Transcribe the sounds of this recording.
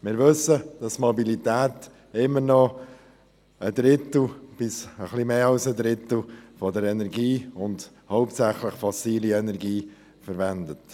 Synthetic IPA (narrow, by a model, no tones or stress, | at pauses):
mɪːɾʋɵsəd̥ɑstmɔbilitæːt | ɪmːəɾnɔ | əd̥̪ɾɪt̪l̩b̥ɪsəχlimeːɑlsəd̪ɾɪt̪l̩fɔdəɾɛnɛɾɡiːʊnd | hɔʊp̚tsæχləχfɑsiːliɛnɛɾɡiː | fəɾʋɛndət